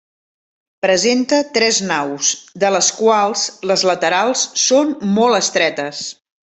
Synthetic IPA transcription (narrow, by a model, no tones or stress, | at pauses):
pɾəzent̪ət̪ɾɛznawsd̪ələskwalˠzləzlət̪əɾalˠsːonmɔlˠəst̪ɾɛt̪əs